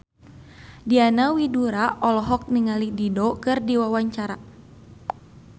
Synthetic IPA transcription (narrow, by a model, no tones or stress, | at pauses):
dianawiduɾaʔɔlɔɦɔk̚niŋalididokɨrdiwawaɲt͡ʃaɾa